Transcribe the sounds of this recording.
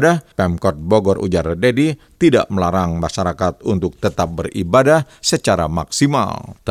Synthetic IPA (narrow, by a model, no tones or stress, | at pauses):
dapɛmkɔt̪̚boɡɔrʔṵd͡ʒaɾdedi | t̪ida̰ʔməlaɾaŋmaʃaɾakat̪̚unt̪ʊk̚t̪ət̪ap̚bəribadah | sət͡ʃaɾa̰ma̰ksima̰l